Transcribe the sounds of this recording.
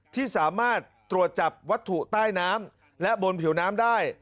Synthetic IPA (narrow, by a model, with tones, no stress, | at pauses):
t̪ʰiː˥˩saː˩˦maː˥˩t̪ːɾu˨˩ət̪̚t͡ɕa˨˩p̚wa˦˥t̪ʰːu˨t̪aː˥˩jnaː˦˥m | lɛ˦˥ʔbo˧npʰi˩˦wnaː˦˥mdaː˥˩j